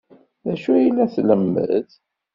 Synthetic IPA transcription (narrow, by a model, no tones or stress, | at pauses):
ðæʃujilæθləmːə̰ð